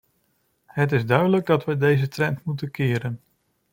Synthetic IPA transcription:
ɦət̬ɪzdœɥdələɡ̚dɑtʋədejzətrɛntmut̬ənkɪːɾən

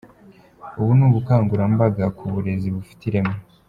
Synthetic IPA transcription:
uβunuːβukaːŋɡuɾambaɡakʰuβuɾe̞ziβufi̥tiɾe̞mo

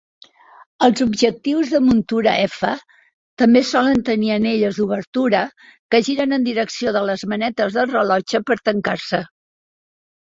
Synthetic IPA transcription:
əlˠzubʒək̚t̪iwzðəmunt̪uɾəʔɛfə | t̪əmbesɔlənt̪əniəneʎəzðuβəɾt̪uɾəkəʒiɾənənd̪iɾəksioðələzmənɛt̪əzðəlˠrəlɔt͡ʃəpəɾt̪əŋkaɾsə

